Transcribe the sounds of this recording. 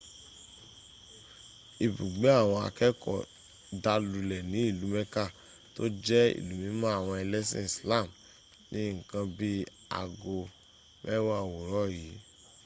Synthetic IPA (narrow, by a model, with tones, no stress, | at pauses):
i˨bu˨ɡ͡be˨˦a˦˨w̃ɔ̃˧a̰˨kɛ˦kɔ̰˦˨ | da˧lu˨lɛ˨nĩ˨˦i˦˨lu˨˦mɛ˦ka˦˨ | to˦d͡ʒɛ˦ḭ˨lu˨mĩ˨˦mã˦a˦˨w̃ɔ̃˧ɛ˧lɛ˦sɛ̃˦˨sla˦˨m | nĩ˦ŋ̩˨kã˧bi˦ | a̰˨ɡo˧ | mʔɛ˦wa˦a˦˨wo˨ɾɔ˦˨ji˨˦